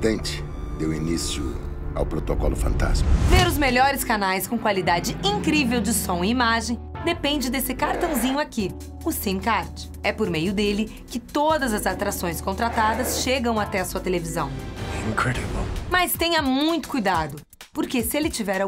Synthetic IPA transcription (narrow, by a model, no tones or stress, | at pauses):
d̪ẽnt͡ʃɪ̥ | d̪ewinisjʊ̰ | a̰wpɾot̪okɔ̰lʊfɐ̰̃nt̪a̰sveɾʊzmeʎɔɾɪskanajskõkwalid̪ad͡ʒɪĩŋkɾivewd͡ʒɪsõw̃ɪimaʒẽj̃d̪epẽnd͡ʒɪd̪esɪkaɾt̪ɐ̃w̃zĩɲʊaki | ʊsĩmkaɾt͡ʃɪ̥ | ɛpoɾmejʊd̪elɪ | kɪt̪od̪ɐzɐzat̪ɾasõj̃skõnt̪ɾat̪ad̪ɐsʃeɡɐ̃w̃at̪ɛɐsuɐt̪elevizɐ̃w̃ɪ̃nkʰɾɛɾiblmɐst̪ẽɲɐmũj̃t̪ʊ̥kujd̪ad̪ʊ | poɾkesɪelɪt͡ʃivɛɾ